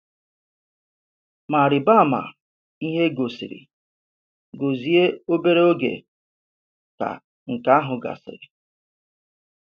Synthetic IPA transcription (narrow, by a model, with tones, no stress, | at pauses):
ma˨ɾɪ˨ba˦˨ma̰˨ | i˦ɦe˦ɡo˨sɪ̰˨ɾḭ˨ | ɡo˨zi˨˦e˦o˦be˦ɾe˦o˦ɡḛ˨ | ka̰˨ | ŋ̩˨ka˦a˦ɦʊ˨ɡa̰˨sɪ̰˨ɾi˨